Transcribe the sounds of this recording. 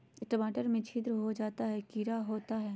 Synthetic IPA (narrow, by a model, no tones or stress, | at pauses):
ʈəmaːʈəɾmẽt͡ʃʰiːt̪ɾəɦod͡ʒaːt̪aɦɛkiːɾaɦoːt̪aɦɛː